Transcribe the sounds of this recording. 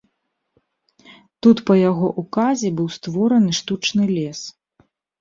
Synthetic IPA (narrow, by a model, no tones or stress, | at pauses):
t̪ut̪pɐjaɣɔʔukazʲɛbɨwst̪vɔɾɐnɨʂt̪ut͡ʂnɨlʲɛs